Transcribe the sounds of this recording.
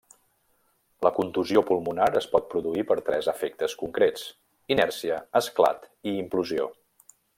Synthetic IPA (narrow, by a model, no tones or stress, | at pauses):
ləkunt̪uziopulˠmunaɾəspɔt̪̚pɾuðuipəɾt̪ɾɛzəfɛk̚t̪əskuŋkɾet͡s | inɛɾsiəəskla̰t̪iːmpluzio̰